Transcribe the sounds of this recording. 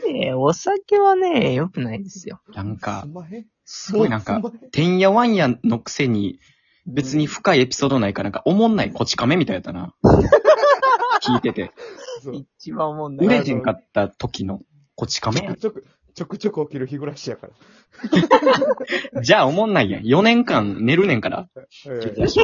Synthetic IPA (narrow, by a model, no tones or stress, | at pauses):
eosake̞βane̞jo̞kɯ̟naid̪e̞sɨjo̰nãŋka̰ | sɨɡo̞inãŋkat̪ẽ̞ɰ̃jaβãɰ̃jano̞kɯ̟̥se̞ɲ̟i | be̞t͡sɨɲ̟iɸɯ̟̥kaie̞pʲi̥so̞ːd̪o̞naikanãŋkaʔomõ̞nːaiko̞t͡ɕi̥kame̞mʲit̪ajat̪ːana̰ | kʲiːt̪e̞t̪e̞iiβaɯ̟ɾe̞ɦẽŋkat̪ːat̪o̞kʲino̞ | ko̞t͡ɕi̥kame | t͡ɕokɯ̟̥t͡ɕokɯ̟okʲiɾɯ̟çiɡɯ̟ɾaɕijakaɾa | d͡ʑaːomõ̞nːaijã̰jo̞nẽ̞ŋkãnne̞ɾɯ̟nẽ̞ŋkaɾa̰